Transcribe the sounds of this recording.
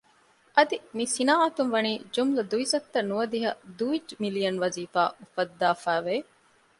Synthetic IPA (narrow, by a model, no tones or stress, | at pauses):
ʔɐd̪imisinaːʔɐt̪umʋɐniːd͡ʒumlɐd̪uizɐkt̪ːɐnːuʋɐd̪iɦɐd̪uid͡ʒmilijɐnʋɐziːfa̰ːʔufɐd̪ːaːfæːʋe